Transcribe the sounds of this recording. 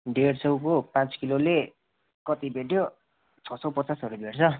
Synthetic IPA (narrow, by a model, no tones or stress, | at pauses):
ɖeɽt͡sʌwkopãt͡skilole | kʌt̪ibʱeʈjo | t͡sʰʌsʌwpʌt͡sasʌɾubʱeɽt͡sʰʌ